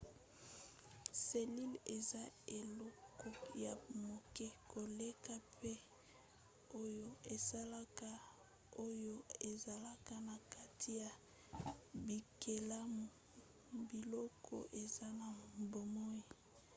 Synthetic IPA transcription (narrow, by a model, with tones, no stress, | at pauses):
se˨li˦le˨za˦e˨lɔ˦kɔ˦ja˨mo˨kɛ˦ko˨le˦ka˦pʰe˦ | o˦jo˦e˨sa˦la˦ka˦ | o˦jo˦e˨za˨la˦ka˦na˨ka˦tʰi˦ja˨ | bi˨ke˨la˦m˨ | bi˨lɔ˦kʰɔ̰˦ʔe˨za˦na˨bo˨mɔ˦i˨